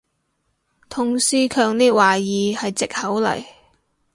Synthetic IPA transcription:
t̪ʰʊ˨˧ŋsiː˥kʰœː˧ŋniː˥t̚waː˨˩jiː˨˧hɐ˨jt͡sɪ˨k̚hɐ˨˥wlɐ̰˨˩j

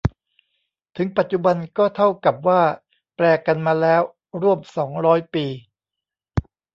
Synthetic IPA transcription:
t̪ʰɯ˩˦ŋpa˨˩t̪̚t͡ɕu˨˩ba˧nkɔː˥˩t̪ʰa˥˩wka˨˩p̚waː˥˩ | plɛː˧ka˧nmaː˧lɛː˦˥w | ɾu˥˩əmsɔː˩˦ŋɾɔː˦˥jpiː˧

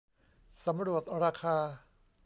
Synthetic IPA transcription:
sa˩˦mɾu˨˩ət̪̚ɾaː˧kʰaː˧

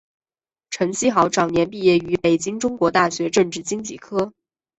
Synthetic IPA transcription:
ʈ͡ʂʰɤ˧˥ŋɕi˥xɑ˧˥ʊʈ͡ʂɑ˨˩ŋnjɛ˧˥np̬i˥˧jɛ˥˩y˧˥pe˨˩ɪt͡ɕi˥ŋʈ͡ʂʊ˥ŋkwɔ˧˥t̪a˥˩ɕɥɛ˧˥ʈ͡ʂɤ˥˧ŋʈ͡ʂɻ̩˥˩t͡ɕi˥ŋt͡ɕi˥˩kʰɤ˥

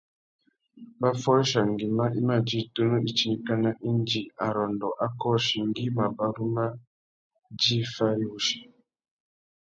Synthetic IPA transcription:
ba˦fɔ˦ʃa˨ŋɡi˨ma˦ʔi˦ma˦˨d͡ʒi˦˨to˦nu˦ʔi˦t͡ʃi˦ni˨ka˦na˦ʔi˦nd͡ʒi˨a˨ɾɔ˨ndɔ˨ʔa˦kɔ˦ʃi˨ŋɡi˦ma˨ba˨ɾu˦ma˦ | d͡ʒi˦fa˦ɾi˦wu˨ʃi̥˨

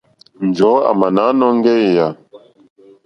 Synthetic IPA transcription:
n˨d͡ʒɔ˨˦a̰˨ma˨na˨˦nɔ˦ŋ˦ɡɛ˦˨ja˨

